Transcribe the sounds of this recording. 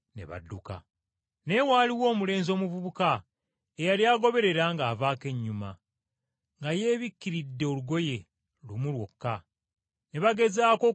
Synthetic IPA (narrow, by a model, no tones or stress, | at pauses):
ne̞̰βa̰dːuka̰ | ne̞waːliwo̞ːmule̞ːnzo̞ːmuvuβuka | ejaljaːɡo̞βe̞ɾe̞ɾaŋɡaːvaːke̞ɲːuma̰ | ŋɡaje̞ːβikːiɾidːe̞oluɡo̞je̞ | lumulwo̞̰kːa | ne̞βaɡe̞zaːko̞